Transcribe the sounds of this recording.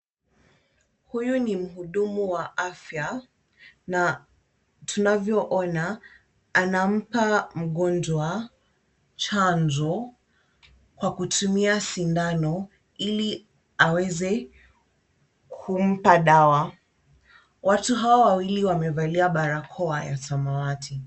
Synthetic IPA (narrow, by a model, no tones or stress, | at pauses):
hujunim̩ɦuɗumuwaʔafja | na | tunavjɔʔɔnaː | nam̩pam̩ɠɔnd͡ʒwa | t͡ʃanzɔ | kwakutʰumiasindanɔ | ili | awɛzɛ | kʰum̩paɗawa | watuɦawawawiliwamɛvaliaɓaɾakʰɔaja̰samawatʰi